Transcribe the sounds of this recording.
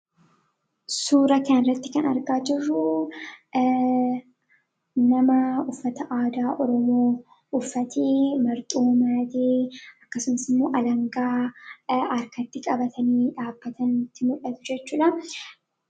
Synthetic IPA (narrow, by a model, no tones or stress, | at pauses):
suːɾɐkaːnrːɐt̪ːɪkɐnɐɾɡaːd͡ʒɪrːʊ | nɐmɐʊfːɐt̪ɐʔaːd̪aːʔɔɾɔmoː | ʊfːɐt̪ʰemɐɾt̪ʼuːmaːd̪eːɐkːɐsʊmɐsɪmːo̞ːʔɐlɐŋɡaː | ɐɾkɐt̪ːɪkʼɐbɐt̪ʰɐniːᶑaːb̥ːɐt̪ɐnt̪ːɪmʊᶑɐt̪ʊ̥d͡ʒɛt͡ʃːuːᶑɐ